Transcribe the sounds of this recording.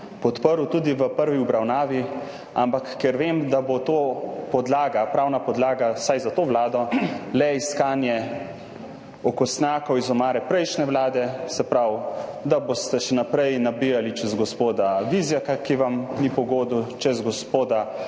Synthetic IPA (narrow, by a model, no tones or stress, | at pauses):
pɔt̪pəɾut̪uːd̪iʋəpəɾʋiubɾawnaːʋi | a̰mpakːɛɾʋemd̪abot̪oːpɔd̪laːɡapɾaːwnapɔd̪laːɡasajzat̪oːʋlaːd̪ɔlɛiskaːnjɛ | ɔkɔst̪njaːkɔwizɔmaːɾɛpɾɛjʃnɛʋlaːd̪ɛsɛpɾawd̪aboːst̪ɛʃɛnapɾɛjnabijalit͡ʃɛzɡɔspoːd̪aʋizjakakiʋamnipɔɡoːd̪ut͡ʃɛzɡɔspoːd̪a